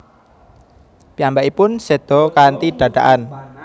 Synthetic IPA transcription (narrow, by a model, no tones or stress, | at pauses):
piambaʔipʊnsed̪̥ɔ̤kant̪iɖ̪̥ä̤ɖ̪̥a̰ʔan